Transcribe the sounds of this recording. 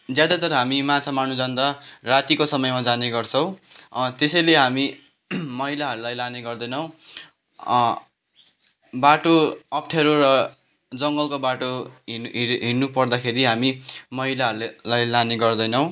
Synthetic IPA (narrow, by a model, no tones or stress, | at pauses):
d͡zjad̪at̪ʌɾʌɦamimãt͡sʰamanud͡zʌnd̪arat̪ikosʌmʌjmad͡zaneɡʌrt͡sʰʌw̃t̪esʌjleɦami | mʌɦilaɦʌɾulajlaneɡʌrd̪ʌjnʌw̃ | baʈoʌpʈʰeɾorʌ | d͡zʌŋɡʌlkobaʈo | ɦinupʌrd̪akʰeɾiɦamimʌɦilaɦʌɾullajlaneɡʌrd̪ʌjnʌw̃